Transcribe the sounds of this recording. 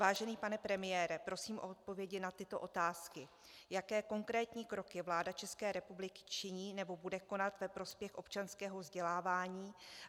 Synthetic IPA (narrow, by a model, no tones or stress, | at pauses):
vaːʒɛniːpanɛpɾɛmɪjɛːɾɛpɾo̞siːmʔo̞̰ʔot̪̚po̞vjɛɟɪnat̪ɪt̪o̞ʔo̞t̪aːskɪ | jakɛːko̞ŋkɾɛːt̪ɲiːkɾo̞kjɛvlaːdat͡ʃɛskɛːɾɛpublɪkɪ̥t͡ʃɪɲiːnɛbo̞budɛko̞nat̪vɛpɾo̞spjɛxʔo̞pt͡ʃanskɛːɦovzɟɛlaːvaːɲiː